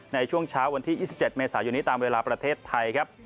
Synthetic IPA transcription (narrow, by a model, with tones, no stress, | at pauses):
na˧jt͡ɕʰu˥˩əŋt͡ɕʰaː˦˥wːa˧nt̪ʰiː˥˩jiː˥˩si˨˩p̚t͡ɕe˨˩t̪̚meː˧saː˩˦jo˧nːiː˦˥t̪aː˧mweː˧laː˧pɾa˧t̪ʰeː˥˩t̪ʰːa˧jkʰa˦˥p̚